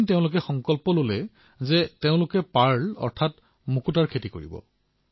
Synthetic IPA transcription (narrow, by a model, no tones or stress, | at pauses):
nteʊ̃lʊk̬ɛxɔŋkɔlpɔlolɛ | zɛteʊ̃lʊkɛpaɹlɔ̰ɹtʰat | mukutaɹkʰetikoɹḭbɔ̰